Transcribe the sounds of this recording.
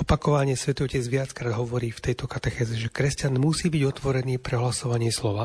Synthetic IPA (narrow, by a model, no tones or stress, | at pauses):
ɔpakɔʋaɲɪɛsʋɛt̪ɔcɛd͡zʋɪat͡skɾaːd̪ɦɔʋɔɾiːft̪ɛjt̪ɔkat̪ɛxɛːzɛʒɛkɾɛscanmusiːbiɟɔt̪ʋɔɾɛniːpɾɛɦlasɔʋaɲɪɛslɔʋa